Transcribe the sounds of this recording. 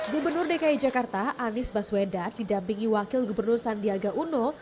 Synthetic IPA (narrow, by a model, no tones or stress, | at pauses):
ɡubərnʊrdekaid͡ʒakart̪aʔanɪsbaswedadidampiŋiwakɪlɡubərnʊrsandiaɡaʔuno